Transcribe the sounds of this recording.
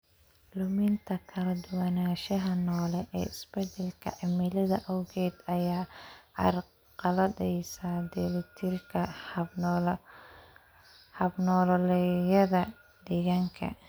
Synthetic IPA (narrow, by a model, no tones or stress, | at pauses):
lʊmɪnt̪ʰɐkʰɐlɐd̪ʊwanaːʃɐɦɐnɔːlɛʔɛ̰ːɪsbɛd̪ɛlkʰɐ̰ʕɪmɪlɐðɐʔɔwɣɛːd̪ɐjaːɑ̰r | qɑlɐdɛjsaːd̪ɛlɐt̪ʰirkʰɐ | hɐbnɔːllɛjɐðɐ | d̪ɛɣaːŋkʰɐ̰